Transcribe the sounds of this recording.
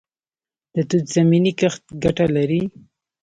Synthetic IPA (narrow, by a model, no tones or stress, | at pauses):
d̪̥ət̪ud̪z̥aminikəxt̪̚ɡaʈalaɾi